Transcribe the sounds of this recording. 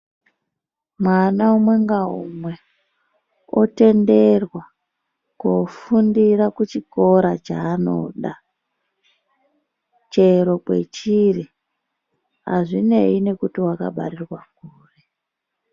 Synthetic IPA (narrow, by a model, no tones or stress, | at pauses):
mwanaumwe̞ŋɡaṵmwe̞ | ote̞nde̞rwa | kofundirakut͡ʃiko̞ɾat͡ʃaːno̞̰ɗa | t͡ʃe̞ɾo̞kwe̞̰t͡ʃiri | a̰ʐine̞̰ine̞kutiwaka̰ɓa̰rirwak̚uːre